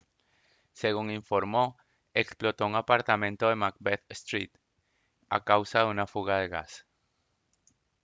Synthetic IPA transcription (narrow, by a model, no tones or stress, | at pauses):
seɣ̞uŋiɱfoɾmo | eksplot̪ouŋapaɾt̪amẽnt̪oðemak̚beθst̪ɾit̪ | a̰kawsaðunafuɣaðeɣa̰s